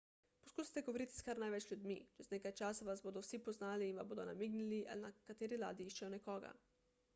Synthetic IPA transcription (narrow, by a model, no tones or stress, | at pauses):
pɔ̥skuːsi̥t̪ɛɡoɔʋɔɾiːt̪i̥skaɾnajʋɛt͡ʃljud̪mḭt͡ʃɛzneːkajt͡ʃaːsaʋazboːd̪ɔwsipɔznaːliːnʋaboːd̪ɔna̰miːɡniliʔa̰linakat̪eːɾila̰ːd̪jiiʃt͡ʃɛjɔnɛkɔːɡa̰